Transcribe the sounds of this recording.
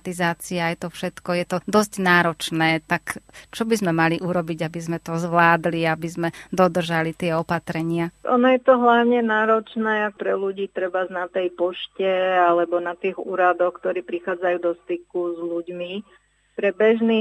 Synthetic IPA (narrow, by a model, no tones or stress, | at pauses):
t̪izaːt͡siaajt̪ɔfʃɛt̪kɔjɛt̪ɔd̪ɔsɟnaːɾɔt͡ʃnɛːt̪akt͡ʃɔbizmɛmaliʔuɾɔbiɟabizmɛt̪ɔzʋlaːd̪liabizmɛd̪ɔd̪r̩ʒalit̪ɪɛɔpat̪ɾɛɲɪaɔ̰nɔjɛt̪ɔɦlaʊɲɛnaːɾɔt͡ʃnɛːak̚pɾɛluɟiːt̪ɾɛbaznat̪ɛjpɔʃcɛalɛbɔnat̪iːɣṵːɾad̪ɔxkt̪ɔɾiːpɾixaːd͡zajuːd̪ɔst̪ikuzluɟmi | pɾɛbɛʒniː